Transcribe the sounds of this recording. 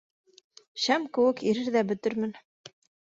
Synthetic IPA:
ʃæmkɘ̆wɘkiɾɘɾðæbɵ̆t̪ɘɾmɘ̆n

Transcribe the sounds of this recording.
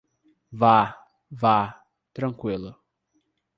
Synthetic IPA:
va | va | t̪ɾɐ̃ŋkwilʊ

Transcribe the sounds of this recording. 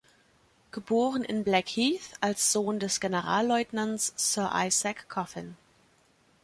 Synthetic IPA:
ɡ̥əboːʁənɪ̰nblɛkhiːθalsz̥oːndɛsɡ̥enəʁaːlːɔʏtnansːœːɐʔa̰ɪzakʰːɔfɪ̰n

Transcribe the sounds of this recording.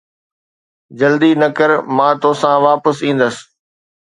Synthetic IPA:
d͡ʑɐld̪inɐkəɾmãːt̪oːsãʋaːpəsĩːn̆d̪əs

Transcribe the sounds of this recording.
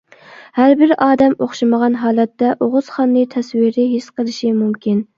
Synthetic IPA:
hæɾbɪɾɑːd̪ɛmoχʃiməʁɑnɦɑːlˠɛt̪ːɛʔoʁʊz̥χɑnːɨt̪ʰɛswiɾɪɦisqʰəlˠɪʃimumkʲin

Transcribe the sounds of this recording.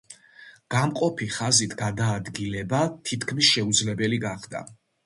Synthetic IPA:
ɡ̥amqʼɔpʰiχazit̪ʰɡad̪aːd̪ɡilɛbat̪ʰit̪ʰkʰmisʃɛud̪zlɛbɛliɡaχd̪a̰

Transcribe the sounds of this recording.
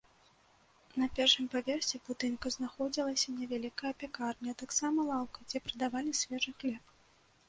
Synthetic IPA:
nɐpʲɛrʂɨmpavʲɛrsʲibut̪ɨnkɐznaxɔd͡zʲilˠɐsʲɐnʲɛvʲalʲikɐjɐpʲakarnʲiɐt̪aksamɐlˠawkɐd͡zʲɛpɾɐd̪avalʲisʲvʲɛʐɨxlʲɛp̚

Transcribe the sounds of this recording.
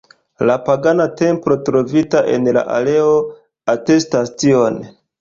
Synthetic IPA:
lapaɡanate̞mpɾo̞tɾo̞vitaʔe̞̰nla̰ʔa̰le̞o̞ | ate̞stastio̞n

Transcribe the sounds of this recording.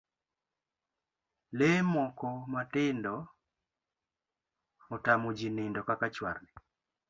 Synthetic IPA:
lemɔkɔmatɪndɔ | otamod͡ʒinɪndɔkakat͡ʃwa̰rnɛ

